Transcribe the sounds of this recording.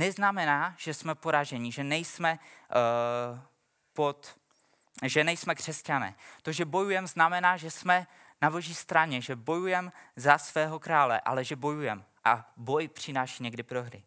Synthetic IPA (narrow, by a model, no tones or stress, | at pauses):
nɛznamɛnaːʒ̥ɛsmɛpoɾaʒɛɲɪʒɛnɛjsmɛ | pot̪ | ʒɛnɛjsmɛkr̥ɛscanɛ̰ːt̪oʒɛbo̞jujɛmznamɛnaːʒɛsmɛ | nabo̞ʒiːst̪ɾaɲɛʒɛbo̞jujɛmzasvɛːɦo̞kɾaːlɛ̰ʔa̰lɛʒɛbo̞jujɛm | ʔabo̞jpr̝̥ɪnaːʃiːɲɛɡdɪpɾo̞ɦɾɪ̰